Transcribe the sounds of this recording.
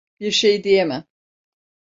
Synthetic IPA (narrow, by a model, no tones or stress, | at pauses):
biɾʃejd̪ijemɪ